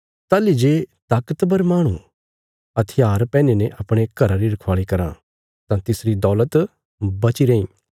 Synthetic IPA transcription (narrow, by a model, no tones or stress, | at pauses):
t̪aːlid͡ʒeːt̪aːkət̪bɐɾmaːɽ̃ũ | ɐt̪ʰɪjaːɾpɛ̃ːnenɛʔɐpɽ̃ekɐɾaɾiɾɐkʰʋaːɭikɐɾã̰ | t̪ãt̪ɪsɾid̪ɔːlət̪ | bɐt͡ʃiɾeːĩː